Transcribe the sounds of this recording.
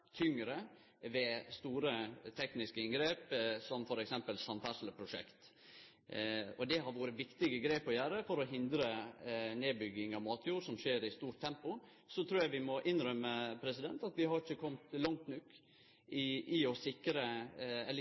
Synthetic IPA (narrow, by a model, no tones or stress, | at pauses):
t̪ʰʏŋəɾə | ʋɛst̪uːɾət̪ʰɛknɪskəɪnɡɾeːpsɔmfɔɾɛksɛmpəlsɑnfæʂləpʰɾʊʂɛ̰kt̪ | ɔd̪ɛɦɑɾʋuːɾəʋɪkt̪ɪɡəɡɾeːpɔjæːɾəfɔɾɔɦɪnd̪ɾəneːbʏɡːɪŋɑmɑːt̪ʰjuːɾsɔmʃeːɾɪst̪uːɾʈt̪ʰːɛmpʊ | sɔt̪ʰɾuːjæɪʋɪmɔʔɪnɾœməpʰɾɛsɪd̪ɛnt̪ɑt̪ʋɪhɑɾɪçəkʰɔmt̪lɑŋt̪nʉkː | ɪʔɪɔsɪkɾəɛl